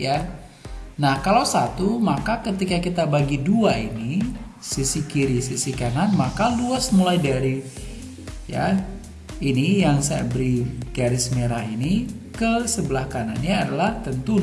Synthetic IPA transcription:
ja | nahkalawsat̪umakakət̪ikakit̪abaɡiduaini | sisikiɾisisikananmakaduasmulajdaɾi | ja̰ | inijaŋsaja̰bəɾiɡaɾɪsmeɾainikəsəbəlahkana̰nɲaːdalaht̪ənt̪u

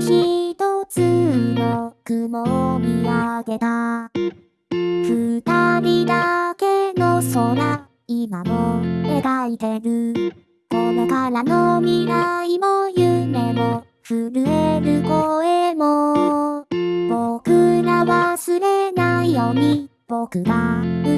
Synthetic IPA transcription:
çid̪ot͡sɨnokɯmomʲiβaɡe̞t̪a | kɯt̪amʲid̪ake̞nosona | imamoeɾait̪eɾɯ̟ | konokaɾanomʲiɾaimojɯme̞mo | ɸɯɾɯ̟eɾɯkoemo | bokɯɡaβasɨɾenaijoɲ̟i | b̥okɯ̟ɡa

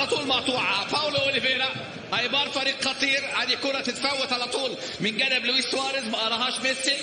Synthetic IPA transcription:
lat̪ˤuːlmɑt̪ˤuːʕɑpawlʔoːlibeːɾa | ʔæjbɑːɾˤfɑɾiːqxɑt̪ˤiːɾʕaːd̪ikʊɾˤɑt̪ɪt̪fawːat̪ʕalat̪ˤuːl | mɪnɡæd̪ablwiswɑːɾɪsmæʔɑɾˤɑɦɑːʃmɪsːi

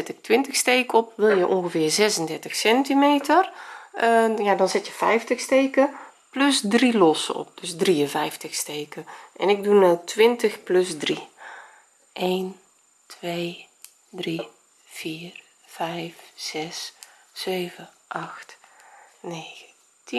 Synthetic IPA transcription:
ɛtɪk̚tʋɪntəxsteːkɔpʋɪlˠjəʔonɣəvɪːrzɛsəndɛrtəxsɛntimeːtər | jadɔnzɪtjəfɛjftəxsteːkə | plɵsdrilɔsɔ̰p̚d̥øsdriənvɛjftəxsteːkəʔɛ̰nɪɡ̚dunətʋɪntəxplɵsdri | ʔeːn | tʋeː | dri | fiːr | fɛjfz̥ɛssøːvəʔaxt | neːɣən | ti

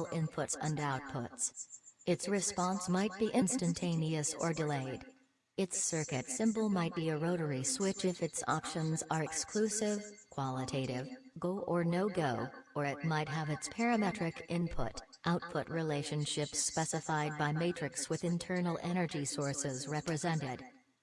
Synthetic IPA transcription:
l̩ˠʔɪ̃npʰʊtsʌ̰̃ndə˞aʊt̚pʰʊtsɨtsɹɨspɑ̃nsmaɪt̚b̥iʔɪ̃nstɨ̃ntʰẽɪ̃niɨsə̰˞dɨleɪɾ | ɨtsɜ˞kɨtsɪ̃mbl̩ˠmaɪt̚b̥iɨɹoʊɾə˞iswɪt͡ʃɪfɨtsɑ̰pʃɨ̃nzə˞ɨkskʰlʉsɪv̥kʰw̥ɑlˠətʰeɪɾɪvɡoʊʔə˞noʊɡoʊʔə˞ɨt̚maɪt̚ɦəvɨtspʰɛɹɨmɛtɹ̥ɨkʔɪ̃npʰʊ̰ɾ | ʔaʊt̚pʰʊt̚ɹileɪʃɨ̃nʃɪpspɛsɨfaɪd̚baɪmeɪt͡ʃɹ̥ɨkswɨðɨ̃ntʰɜ˞nl̩ˠʔɛñə˞d͡ʒisɔɹsɪzɹɛpɹɨzɛ̃ntɪd̥

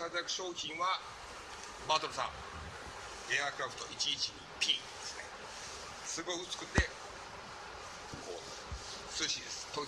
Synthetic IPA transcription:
kazjakɯ̟̥ɕo̞ːçĩɰ̃βa | maːt̪oɾɯsã̰ŋ | e̞akɯ̟ɾaɸɯ̥t̪o̞ʔit͡ɕiːt͡ɕi̥ | pʲiːd̪esɨ̥ne̞̰ | sɨɡoɯ̟t͡sɨ̥kɯ̟t̪ːe̞ | ko̰ː | sɨɕid̪e̞sɨ̥t̪oː

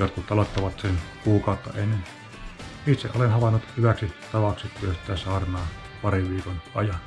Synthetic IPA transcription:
jot̪̚kut̪t̪ɑlot̪ːɑʋɑt̪senkuːkɑˑot̪ːɑ̰enːen | it̪seʔʔolenhɑʋɑnːut̪hyʋæksit̪ɑʋɑkset̪lyøst̪ˑæːsɑːrnɑː | pɑriʋʋiːkonɑjɑn

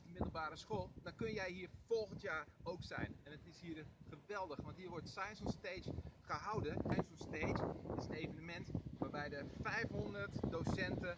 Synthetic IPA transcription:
dəmɪdəl̩ˠbaːɾəsxoːlˠdɔnkønjɛjɦiːrfolˠɣəntjaːowksɛ̰jnɛnətɪshiːrχəʋɛlˠdəxʋɔntɦiːɹʋɔrtsajnsɔnsteːd͡ʒχəɦawdəsajnsɔnstejd͡ʒɪsənejvənəmɛntʋaːrbɛjdəfɛjfɦondərtdowsɛntə

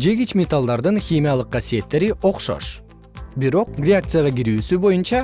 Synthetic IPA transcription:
d͡ʒe̞ɡit͡ʃmʲet̪alˠd̪ɑɾd̪ɯnxʲimʲijalˠɯq̚ːɑsije̞t̪ːe̞ɾiʔo̞qʃo̞̰ʃ | biɾo̞q̚rʲɪak̚t̪sɨjaʁɑɡiɾyːsybo̞junt͡ʃɑ

